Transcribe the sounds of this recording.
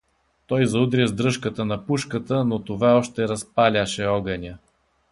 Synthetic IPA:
t̪ɔjzɐud̪ɾʲəzd̪ɾɤʃkət̪ənɐpuʃkət̪ənot̪ovaɔʃt̪ɛɾɐspalʲəʃɛɔɡɐnʲə

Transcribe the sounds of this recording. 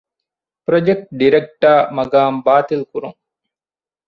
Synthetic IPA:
pɾod͡ʒek̚ʈɖiɾek̚ʈaːmɐɡaːmbaːt̪ilkuɾuŋ

